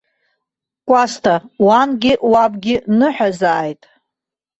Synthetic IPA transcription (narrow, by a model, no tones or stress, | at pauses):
kʷʼastʰawanɡʲɪʔwabɡʲɪnɨħʷᶣazaːjtʼ